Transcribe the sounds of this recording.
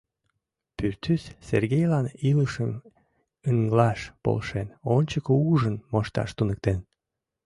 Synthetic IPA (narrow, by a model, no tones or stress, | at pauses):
pyrt̪ysserɣejlɑniləʃəm | əŋɡlɑʃpo̰lʃenonʲt͡ɕəkouʒənmoʃt̪ɑ̰ʃt̪unək̚t̪en